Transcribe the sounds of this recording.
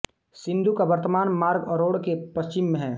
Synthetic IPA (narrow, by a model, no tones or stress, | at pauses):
sɪ̃nd̪ʱukabəɾt̪əmaːnmaːɾɡɔɾoːɽkepɐst͡ʃɪmːẽɦɛː